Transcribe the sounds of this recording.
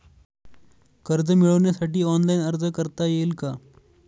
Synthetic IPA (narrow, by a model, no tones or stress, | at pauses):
kəɾd͡zəmiɭəʋɳjasaʈiːɔnlainəɾd͡zəkəɾt̪ajelka